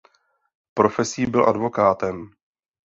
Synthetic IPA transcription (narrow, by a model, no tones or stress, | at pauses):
pɾo̞fɛsiːbɪlʔa̰dvo̞kaːt̪ɛm